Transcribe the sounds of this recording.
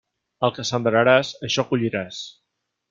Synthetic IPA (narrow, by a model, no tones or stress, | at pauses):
əlˠkəsənd̪ɾəɾasəʃɔkuʎiɾas